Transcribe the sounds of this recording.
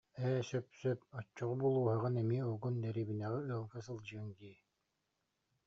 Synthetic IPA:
ɛːsœpsœp̚ɔt͡ʃːɔʁubulˠuːɦaʁɯnɛmiɔɡund̪ɛɾiːbinɛʁɛɯɐlˠɡas̬ɯlˠd͡ʑɯŋɡiː

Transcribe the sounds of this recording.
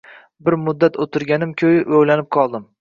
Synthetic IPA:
bɪɾmʊd̪ːat̪ʰot̪ʰɪɾɡʲanɪmkʲʰɵjɪʔojlanɪp̚qʰɒlˠd̪ɪm

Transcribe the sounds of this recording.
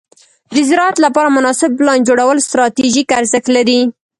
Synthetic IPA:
d̪əzɪɾɑat̪lapɑɾamʊnɑsɪb̚plɑnd͡ʒoɽawəlst̪ɾɑt̪iʒikaɾzəxlaɾi

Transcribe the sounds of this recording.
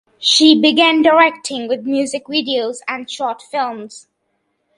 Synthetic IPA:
ʃibɪɡæ̃ndəɹɛk̚tʰɪ̃ŋwɪðmjʉːzɪkvidioʊzæ̃nʃɔɹtfɪlˠmz̥

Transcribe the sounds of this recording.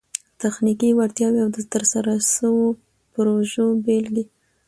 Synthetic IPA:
t̪axnikiwaɾt̪jɑwiawd̪ət̪əɾsaɾaʃəwo | pɾoʒobeld̪i

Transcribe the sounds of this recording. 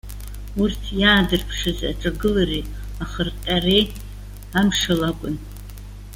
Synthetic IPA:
urtʰjaːdɨrpʰʂɨza̰ʈ͡ʂʼaɡɨlari | aχərtʼare | amʂalakʷʼʊn

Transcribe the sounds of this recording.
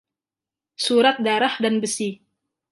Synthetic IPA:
suɾat̪̚daɾahdanbəsi

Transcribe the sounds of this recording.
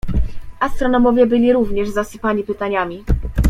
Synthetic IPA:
ʔast̪ɾɔnɔmɔvʲjɛbɘlʲiɾuvɲɛʐzasɘpaɲipɘt̪aɲamʲi

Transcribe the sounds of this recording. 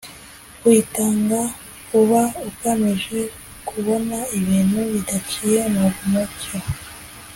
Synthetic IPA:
kwitaŋɡa | kuβaukamiʒe̞ | kʰuβo̞naiβiːnhuβidat͡ʃijemukumoco

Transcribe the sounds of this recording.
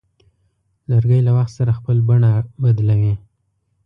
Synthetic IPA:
laɾɡəjlawaxt̪saɾaxpəlbaɳabad̪lawi

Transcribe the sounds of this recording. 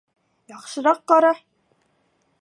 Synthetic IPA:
jɑqʃɤ̆ɾɑqːɑɾɑ

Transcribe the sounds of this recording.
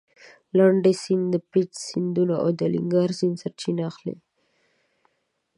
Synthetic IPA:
laɳɖesind̪əpit͡ʃsind̪unaʔo̰d̪əlḭŋɡɑɾsinsaɾt͡ʃinaxlḛ

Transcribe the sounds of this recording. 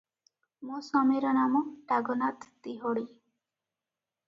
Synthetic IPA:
mɔsɔmiɾɔnamɔʈaɡɔnat̪t̪iɦɔɽi

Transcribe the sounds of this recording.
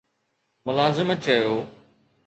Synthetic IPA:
mʊlaːzɪmət͡ɕɐjoː

